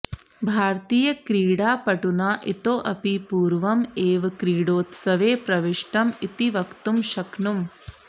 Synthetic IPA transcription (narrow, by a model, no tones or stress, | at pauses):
bʱaːɾt̪iːjɐkɾiːɽaːpɐʈunaːʔit̪oːʔɐpipuːɾʋɐmeːʋkɾiːɽoːt̪sɐʋeːpɾɐʋiʂʈɐmit̪iʋɐkt̪umʃɐknum